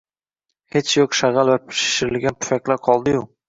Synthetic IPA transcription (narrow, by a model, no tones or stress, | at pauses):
het͡ʃjoqʃaʁalˠvapʰɪ̥ʃɪ̥ʃɪɾɪlɡʲanpʰʊ̥fakʲlaɾqʰɒlˠd̪ɪju